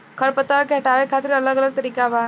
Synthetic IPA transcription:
kʰəɾpət̪aaɾkeɦəʈaʋekʰat̪ɾiələɡələɡ̚t̪əɾiːkaba

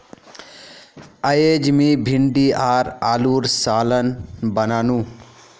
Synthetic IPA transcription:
əjeːd͡ʒmibʱiɳɖiaːɾaːluːɾsaːlənbənaːnũː

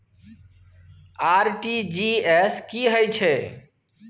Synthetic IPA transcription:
aɾʈid͡ʒieskiɦəjt͡ʃʰɛ

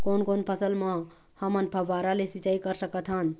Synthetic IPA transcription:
konkonpʰəsəlmə | həmənpʰəbaɾalesit͡ʃaikəɾsəkət̪ʰɦən

